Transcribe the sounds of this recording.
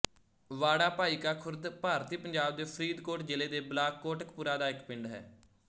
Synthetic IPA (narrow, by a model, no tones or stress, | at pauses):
ʋaːɽaːpaːiːkaːkʰʊɾd̪paːɾt̪iːpəɲd͡ʒaːb̚d̪eːpʰəɾiːd̪koːʈd͡ʒɪleːd̪eːblaːkːoːʈəkpuːɾaːd̪aːɪkpɪɳɖɦɛ̰ː